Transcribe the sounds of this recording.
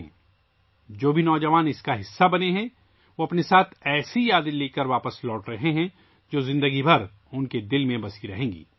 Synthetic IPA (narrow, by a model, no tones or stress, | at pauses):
d͡ʒoːbʱinɔːd͡ʒɐʋaːnɪskaɦɪsːabɐneɦɛ̃ | ʋoɐpnesaːt̪ʰɛːsijaːd̪əleːkəɾʋaːpəslɔːʈɾɐɦeɦɛ̃ | d͡ʒoːzɪ̃nd̪əɡibʱɐɾ | ʊnked̪ɪlmẽbɐsiɾɐɦẽːŋɡḭː